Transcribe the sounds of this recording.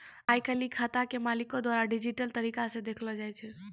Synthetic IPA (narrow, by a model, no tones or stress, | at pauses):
ajkəlikʰat̪akemalikod̪waɾaɖid͡ʒiʈəlt̪əɾikasẽd̪ekʰlɔd͡ʒajt͡ʃʰɛ